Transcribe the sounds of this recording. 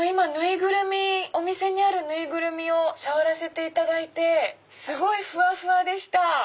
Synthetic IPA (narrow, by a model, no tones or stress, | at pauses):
imanɯ̟iɡɯ̟ɾɯ̟mʲio̞mʲise̞ɲ̟iaɾɯ̟nɯ̟iɡɯ̟ɾɯ̟mʲio̞saβaɾase̞t̪e̞it̪ad̪ait̪e̞ | sɨɡo̞iɸɯ̟aɸɯ̟ad̪e̞ɕi̥t̪a